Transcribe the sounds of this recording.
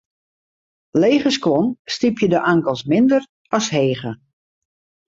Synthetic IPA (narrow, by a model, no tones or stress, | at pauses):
leːχəskʋɔnstipjədəʔaŋkəlˠsmɪndər | ɑsɦeːɣə